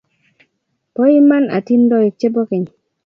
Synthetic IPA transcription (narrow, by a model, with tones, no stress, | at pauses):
po˦ji˦ma˦na̰˨ti˦ndɔ˦i˨k̚t͡ʃe˦bo˦kɪ˨ɲ˨